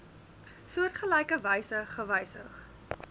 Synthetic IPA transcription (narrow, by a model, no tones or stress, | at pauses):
suərtχəlɛjkəvəjsəχəvɐjsə̰χ